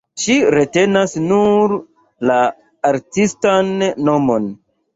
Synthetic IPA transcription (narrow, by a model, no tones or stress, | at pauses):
ʃiɾe̞te̞nasnuɾ | laː | ɾtistanːo̞mo̞n